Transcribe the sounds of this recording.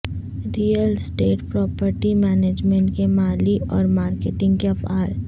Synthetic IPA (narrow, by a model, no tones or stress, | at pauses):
ɾiːəlsʈeːʈpɾɔːpəɾʈimɛːneːd͡ʒmẽɳʈkemaːliɔːɾmaːɾkeːʈɪ̃ŋɡkeɐfaːɾ